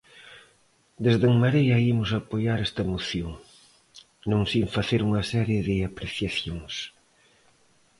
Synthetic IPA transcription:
d̪ezðeŋmaɾejɐimʊsapojaɾɛst̪ɐemoθjoŋ | nõŋsĩɱfaθeɾuŋɐsɛɾjeðɪapɾeθjaθjoŋs

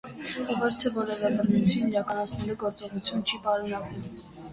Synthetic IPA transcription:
ivɔɾt̪ʰɛvɔɾɛvɛbərnut͡sʰuniɾɑkɑnɑt͡sʰnɛluɡɔɾt͡sɔʁut͡sʰjunt͡ʃʰipɑɾunɑkum

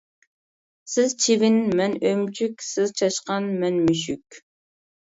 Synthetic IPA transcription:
sɪzt͡ʃʰivɪnmɛnømt͡ʃʰykʲsɪzt͡ʃʰɑʃqɑnmɛnmyʃykʲ

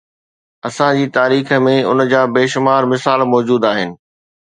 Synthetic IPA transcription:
ɐsãd͡ʑiːt̪aːɾiːxə̆mẽʊ̰nd͡ʑaːbeːʃʊmaːɾmɪsaːlmɔːd͡ʑuːd̪aːɦɪnɪ̆

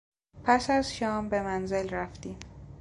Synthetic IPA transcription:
pʰæsæzʃɒːmbe̞mænzelræft̪iːm

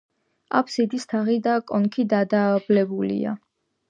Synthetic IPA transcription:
apʰsid̪ist̪ʰaʁid̪akʼɔŋkʰid̪ad̪aːblɛbulḭa̰

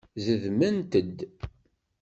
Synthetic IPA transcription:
zəðmənt̪əd̪

